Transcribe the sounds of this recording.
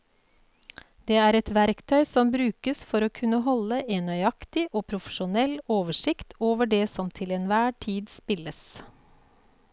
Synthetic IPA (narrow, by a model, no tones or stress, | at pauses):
d̪eːæːɾɛt̪ʋæɾkt̪ʰœʏsɔmbɾʉːkəsfɔɾoːkʰʉnːəɦɔləʔeːnœʏɑkt̪ɪʔoːpʰɾʊfə̥ʃʊnɛloːʋəʂɪkt̪ʰoːʋəɖeːsɔmt̪ʰɪlɛnʋæːʈʰiːd̪spɪləs